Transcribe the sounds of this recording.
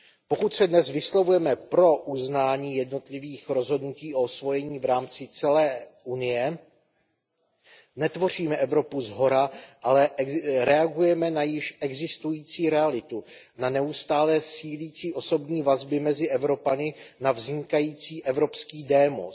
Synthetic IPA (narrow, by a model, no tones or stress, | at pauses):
po̞kut̪sɛdnɛzvɪslovujɛmɛpɾo̞ʔuznaːɲiːjɛdno̞t̪lɪviːxɾo̞zɦo̞dnuciːʔo̞svo̞jɛɲiːvɾaːmt͡sɪt͡sɛlɛːʔunɪjɛ | nɛt̪vo̞riːmɛʔɛvɾo̞puzɦo̞ɾaʔalɛʔɾɛaɡujɛmɛnajɪʃʔɛɡzɪst̪ujiːt͡siːɾɛalɪt̪u | nanɛust̪aːlɛːsiːliːt͡siːʔo̞so̞bɲiːvazbɪmɛzɪʔɛvɾo̞panɪnavzɲɪkajiːt͡siːʔɛvɾo̞pskiːdɛːmo̰